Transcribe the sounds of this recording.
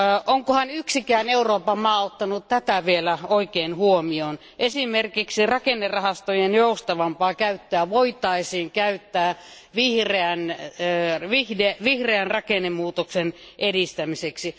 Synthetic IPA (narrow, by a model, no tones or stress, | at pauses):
ʔoŋkohɑnyksikæːneuroːpɑmɑːot̪ːɑnutt̪æt̪æʋielæoikeːnhuomion | ʔesimerkiksirɑkenːerɑhɑst̪ojenjoust̪ɑʋɑmpɑːkæyt̪ːøæʋoit̪ɑisiːŋkæyt̪ːæː | ʋihreænː | ʋihdeʋihreænrɑkenemuːt̪oksenʔedist̪æmiseksi